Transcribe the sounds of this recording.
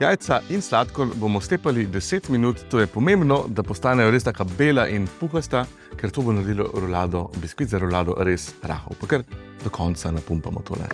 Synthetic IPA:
jaːjt̪sainslaːt̪kɔnbomɔst̪eːpalid̪ɛseːt̪minuːt̪ːoːjɛpɔmembnɔd̪apɔst̪aːnɛjɔɾeːst̪aːkabeːlaʔinpuxast̪a | kɛɾt̪oːbonaɾd̪ilɔ̰ɾɔlaːd̪ɔbiskizaɾɔlaːd̪ɔ̰ɾesɾa̰ːxɔ̰wpakəɾd̪ɔkʰɔnt̪sanapumpamɔ̰t̪ʰo̰ːlɛ̰

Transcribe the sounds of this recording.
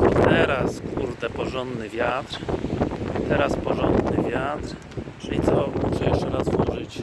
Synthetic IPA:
ɔt̪ɛɾaskuɾd̪ɛpɔʐɔnd̪nɘvʲjat̪ɾ | t̪ɛɾaspɔʐɔnd̪nɘvʲjat̪ɾ | t͡ʂɘlʲit̪sɔmuʂɛjɛʂt͡ʂɛɾazvwɔʐɘt͡ɕ

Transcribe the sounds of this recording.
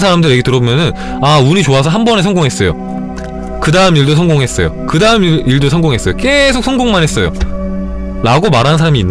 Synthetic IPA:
sʰaɾamdɯɾjeɡe̞tɯɾʌbomjʌnɯn | auɲit͡ɕoasʰʌɦambʌne̞sʰʌŋɡoŋɦes͈ʌjo̰ | kɯdaɯmiɭdosʰʌŋɡoŋɦe̞s͈ʌ̰jo̰kɯdaɯmiɭdosʰʌŋɡoŋɦe̞s͈ʌjok͈e̞sʰok̚sʰʌŋɡoŋmanɦe̞s͈ʌjo̰ | ɾaɡomaɾɦansʰaɾamiːnː

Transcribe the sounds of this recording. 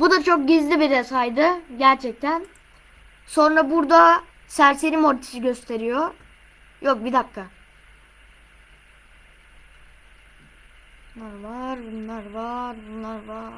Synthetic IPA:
bud̪at͡ʃʰo̞k̚ɟizlʲibiɾɛsajd̪ɯɟæɾt͡ʃʰɛc̚t̪ʰæn | so̞nɾabuɾd̪a | sæɾseɾimoɾt̪ʰi̥siɟø̞st̪ʰe̞ɾijo | jo̞k̚bid̪ap̚kʰa | nˠaɾvaɾbunlˠaɾvaɾbunlˠaɾva

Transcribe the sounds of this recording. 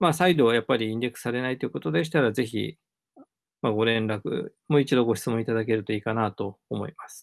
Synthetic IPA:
masaid̪o̞japːaɾʲiĩndʲe̞kɯ̟̥saɾe̞nait̪ːeiɯ̟ko̞t̪o̞d̪e̞ɕ̬i̥t̪aɾaze̞çḭ | maɡo̞ɾẽ̞nɾakɯ̟̰ | mo̞it͡ɕid̪o̞ɡo̞ɕi̥t͡sɨmõit̪ad̪ake̞ɾɯt̪o̞iːkanat̪o̞ːmo̞̰ḭmasɨ̥

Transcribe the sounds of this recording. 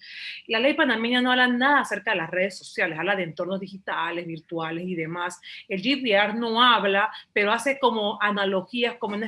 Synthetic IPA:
lale̞jpanamẽɲano̞aβlanaðaːse̞ɾkaðe̞lasre̞ðeso̞sjalesaβlaðeːnt̪o̞ɾno̞zðixit̪ale̞zβiɾt̪wale̞siðe̞mase̞ld͡ʒiðiaɾno̞aβlape̞ɾo̞ase̞ko̞mo̞ʔanalo̞xiaskomouna

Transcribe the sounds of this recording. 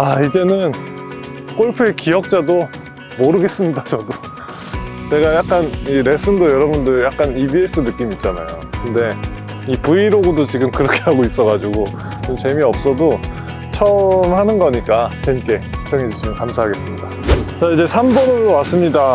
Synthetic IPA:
aid͡ʑe̞nɯn | k͈oɭpʰuekijʌk̚t͡ɕ͈ado | moɾɯɡe̞s͈ɯmɲidat͡ɕʌdo | t͡ɕe̞ɡajak̚k͈aniɾe̞sʰɯndojʌɾʌbundɯɭjak̚k͈anibies͈ʰɯnɯk͈imit̚t͡ɕ͈ana̰jokɯnde̞ | ipuiɾoɡodot͡ɕiɡɯmkɯɾʌkʰe̞ɦaɡois͈ʌɣad͡ʑuɡo | t͡ɕomt͡ɕe̞miʌp̚s͈ʌdo | t͡ɕʰʌmhanɯnɡʌɲik͈at͡ɕeimk͈e̞i̥t͡ɕʰʌŋɦe̞d͡ʑuɕʰimɯnkamsʰaɦaɡe̞s͈ɯmɲidat͡ɕaid͡ʑe̞sʰambʌnɯdowas͈ɯmɲida

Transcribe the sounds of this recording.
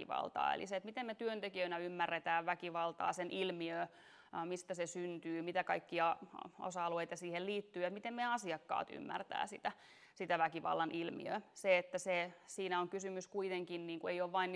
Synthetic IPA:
iʋɑ̰lt̪ɑ̰ːḛlḭset̪mit̪emmet̪yønt̪ekiøinæymːærːet̪æːʋʋækiʋɑlt̪ɑ̰ːsenʔilmiø | mist̪æsesynt̪yːmit̪ækɑikːiɑo̰sɑɑlueit̪ɑsiːhelliːt̪ːyːjɑmit̪emmeɑsiɑkːɑ̰ːt̪y̰mːæ̰rt̪æ̰ːsit̪æ | sit̪æʋækiʋɑ̰lːɑnʔilmḭø̰seet̪ːæsesiːnæoŋkysymyskuit̪eŋkinniːŋkuejoːʋʋɑin

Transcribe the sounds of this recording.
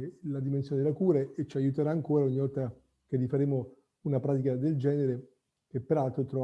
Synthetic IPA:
lad̪imensjoːned̪elːakuːɾeet͡ʃːajut̪eɾaːŋkoːɾaoɲːivɔlt̪a | kerifaɾeːmo | unapɾaːt̪ikad̪eld͡ʒɛːneɾe | kepːeɾalt̪ɾot̪ɾɔ

